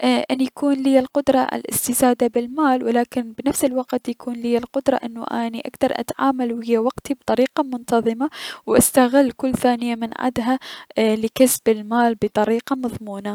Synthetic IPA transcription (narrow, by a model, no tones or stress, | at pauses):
ʔʔanːjakuːnlijalqʊd̪ɾˤɑʔɪ̰lʔɪ̰st̪ɪsaːd̪abɪlmaːlwɪlaːkɪnbnafsɪlwaqt̪jakuːnliːalqʊd̪ɾˤɑ̰ʔɪnːṵʔa̰ːniʔa̰kt̪ɑɾˤʔa̰t̪ʕaːmalwhɪjːawaqt̪ib̚t̪ˤɑɾiːqɑmʊnt̪ɑðˤɨmawʔast̪aɣɪlːkʊlːθaːnɪjamɪnʕa̰d̪ɦalɪkasbɪlmaːlbɨt̪ˤɑɾiːqɑmɑðˤmuːna